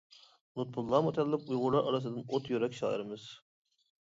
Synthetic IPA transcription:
nut̪̚bulˠːɑːmot̪ʰɑllˠɑpujʁʊɾˠɑɾʔɑɾɑs̬ɨd̪ɨnot̪jøɾɛkʲʃɑ̰ːiɾɪmɨz̥

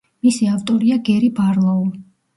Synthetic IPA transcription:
misiaft̪ʼɔɾiaɡɛɾibaɾlˠau

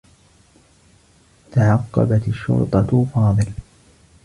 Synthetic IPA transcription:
t̪aʕɑqːɑ̰bat̪aʃːʊ̰ɾt̪ˤɑfɑːðˤɨl

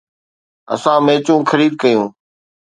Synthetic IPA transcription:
ə̰sãːmẽːt͡ʃũːkʰəɾiːd̪̚kəjũː

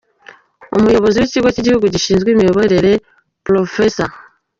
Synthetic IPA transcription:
o̰mujo̞βo̞ziweciiɡweciɟihuɡuɟiʃiːnzɡwiːmijo̞βoɾe̞ɾe̞ | pulo̞fesa̰

